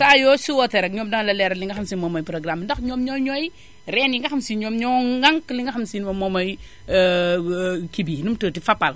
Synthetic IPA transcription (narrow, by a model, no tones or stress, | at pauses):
sajɔːsiwɔtɛɾɛk̚ɲɔːmdɐŋlɐlɛɾɐliŋɡɐxɐmsimɔmɔjpɾɔɡɾamndɐxɲɔmɲɔɲɔj | ɾɛnjiŋɡɐxɐmsiɲɔmɲɔɡaŋkliŋɡaxɐmsinmɐmɔmɔj | kibinumtəːtifapːal